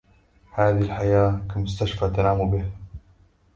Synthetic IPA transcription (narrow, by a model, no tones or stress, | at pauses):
haːðilħajaːkamʊst̪aʃfat̪anaːmubiːha